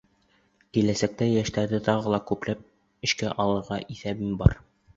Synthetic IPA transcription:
kilæsæk̚t̪æjæʃt̪æɾd̪ɘt̪ɒʁɤ̆lˠɑkʉplæp̚ | ɘ̆ɕkæʔɑlˠɤ̆ɾʁɑʔiθæbɘmbɒ̰ɾ

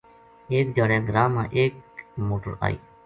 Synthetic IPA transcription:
eːk̚d͡ʒəɽẽːɡɾaːmãːʔeːkmoːʈəɾa̰ːḭː

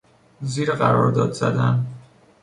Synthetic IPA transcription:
ziːɾɢæɾɒːɾd̪ɒːd̪zæ̰d̪æn

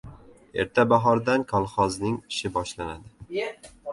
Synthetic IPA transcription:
e̞̰ɾt̪ʰabaɦɒɾd̪ankʰɒlˠχɒznɪŋɪʃɪbɒʃlanad̪ɪ

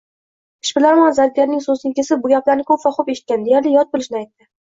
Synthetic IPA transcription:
ɪ̥ʃbɪlaɾmanzad̪̚ɡʲaɾnɪŋsozɪnɪkʲe̞sɪp̚bʊɡʲaplaɾnɪkʰɵpvɒχʊpeʃɪt̪̚kʲand̪ejaɾlɪjɒt̪̚bolˠɪʃɪnɪajt̪ːɪ

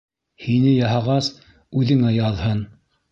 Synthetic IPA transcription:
hinɘjɑɦɑʁɑs | ʉðɘ̆ŋæjɑðhɤn

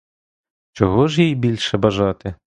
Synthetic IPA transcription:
t͡ʃɔɦɔʒjijbʲilʲʃɛbɐʒɑt̪ɪ

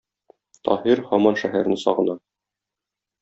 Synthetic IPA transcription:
t̪ɒ̰hiɾhɒmɑnʃæɦæɾnɘsɒ̰ʁɤ̆nɑ

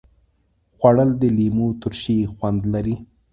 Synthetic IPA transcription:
xwaɽəld̪əlimut̪ʊɾʃixwand̪laɾi

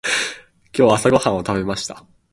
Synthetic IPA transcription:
kʲo̞ːasaɡahãɰ̃o̞t̪aβe̞maɕi̥t̪a

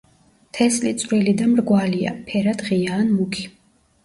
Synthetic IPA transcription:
t̪ʰɛslit̪sʼɾilid̪amɾɡwalia̰pʰɛɾad̪ʁiaːnmukʰi̥

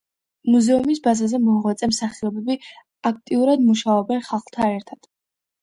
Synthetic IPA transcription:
muzɛumisbazazɛmɔʁwat̪sʼɛmsaχiɔbɛbi | ak̚ʰt̪ʼiuɾad̪muʃaɔbɛnχalˠχlˠt̪ʰanɛɾt̪ʰad̪̥

